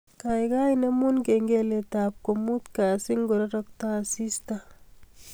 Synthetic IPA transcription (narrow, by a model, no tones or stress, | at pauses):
kajkajnemunkeŋɡeletaːp̚komut̪kasiŋɡoɾaɾɔk̚tasista